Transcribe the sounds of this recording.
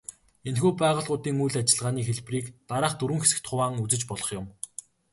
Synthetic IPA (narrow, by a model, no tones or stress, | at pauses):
enxuːpæːʁə̆ɮʁʊːt̪iːŋujɮat͡ɕɪ̆ɮʁaːniːxeɮpriːkt̪aɾaːχt̪uɾwɘ̆ŋxe̥sɘ̆kt̪χʊwaːŋut͡sɘ̆t͡ɕpɔɮɞ̆χjʊm